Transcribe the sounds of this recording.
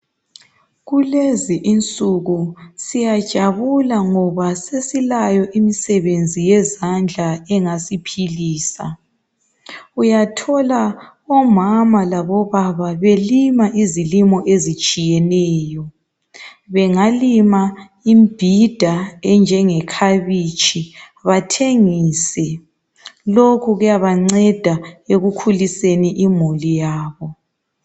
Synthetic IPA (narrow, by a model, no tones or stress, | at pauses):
ɣuleziʔint͡sʼuɣusijad̥ʒ̥ʱaβulaŋɔβasesilajɔʔimisɛβend͡zʱijɛzand͡ɮʱaɛŋasipʰiliːsa̰ | ujatʰɔla | ɔmamalaβɔβaβaβelimaʔizilimɔʔezit͡ʃʼijɛnɛːjɔ | βɛŋalima | imb̥ʱid̥ʱaɛnd͡ʒʱɛŋɛkʰaβit͡ʃʼʰi | βatʰeŋisɛ | lokʰuɣujaβaŋ͡ǀɛd̥ʱaeɣukʰuliseniʔimulijaːβɔ